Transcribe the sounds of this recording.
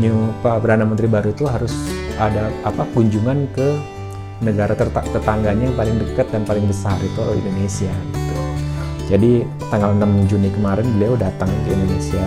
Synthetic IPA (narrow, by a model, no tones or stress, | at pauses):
ɲupapərdanamənt̪ɾibaɾut̪uɦaɾʊsadaapaɡuɲd͡ʒuŋankə | nəɡaɾat̪əat̪ərt̪aŋɡaɲapalɪŋdəkat̪̚danpalɪŋbəsarit̪uḭndonesiaɡit̪u | d͡ʒadi | t̪aŋɡalnamd͡ʒunikəmaɾɛnbəliawdat̪aŋkəḭndonesia